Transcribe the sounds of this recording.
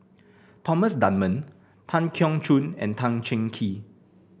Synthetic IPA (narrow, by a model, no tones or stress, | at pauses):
tʰɔməsdãnmə̃n | tʰãnkʰjɔ̃ŋt͡ʃʰũnɛ̰̃ntʰãŋt͡ʃɛ̃ŋkʰi